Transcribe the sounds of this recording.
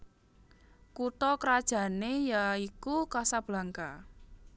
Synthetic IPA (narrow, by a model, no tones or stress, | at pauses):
kut̪ɔkəɾad̥ʒ̥a̤nejaikukasab̥laŋka